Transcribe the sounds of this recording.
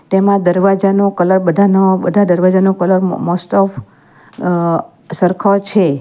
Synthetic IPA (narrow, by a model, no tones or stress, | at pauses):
t̪emãd̪əɾʋad͡ʒanokələɾbəd̪ʱanobəd̪ʱad̪əɾʋad͡ʒanõkələɾmɔst̪ɔf | səɾkʰot͡ʃʰe